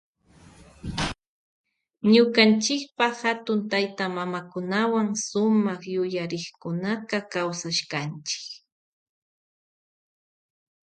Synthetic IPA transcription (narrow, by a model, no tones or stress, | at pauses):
ɲʊkant͡ʃɪk̚pɑχhat̪ʊnt̪ajt̪amamakʊnawaŋsʊmɑχjʊjaɾɪχkʊnaqɑkawsaʃkant͡ʃɪ̥k